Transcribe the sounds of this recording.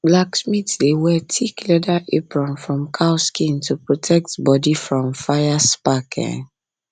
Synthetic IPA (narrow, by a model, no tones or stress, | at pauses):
blaksmitlewɛtʰiklɛdaʔepɹãnfɹɔ̃mkʰaʊskĩntʰupɹotʰɛk̚tbɔdifɹɔ̃mfajaspakʰɛ̰̃n